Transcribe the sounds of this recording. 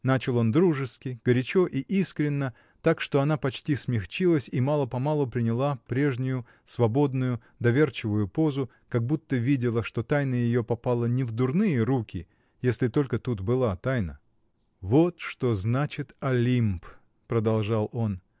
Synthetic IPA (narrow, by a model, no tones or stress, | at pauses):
nat͡ɕɪlˠo̞nd̪ɾuʐɨskʲɪɡ̥əɾʲɪt͡ɕo̞ʔiʔiskɾʲɪnːə | t̪akʂt̪o̞ɐnapɐt͡ɕtʲismʲɪxt͡ɕilˠəsʲimalˠəpɐmalˠʊpɾʲɪnʲɪlˠapɾʲe̞ʐnʲʊjʊ | svɐbo̞d̪nʊjʊ | d̪ɐvʲe̞rt͡ɕɪvʊjʊpo̞zʊ | kɐɡ̚but̪ːəvʲidʲɪlˠəʂt̪o̞t̪ajnəjɪjo̞pɐpalˠənʲɪvd̪ʊrnɨjəɾukʲɪ | jesʲlʲɪt̪o̞lʲkət̪ut̪bɨlˠat̪ajnə | vot̪ʂt̪o̞znat͡ɕɪt̪ɐlʲimp | pɾəd̪ɐlˠʐalˠo̞n